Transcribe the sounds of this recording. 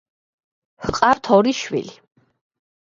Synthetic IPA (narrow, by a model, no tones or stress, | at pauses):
hqʼaɾt̪ʰɔɾiʃwḭli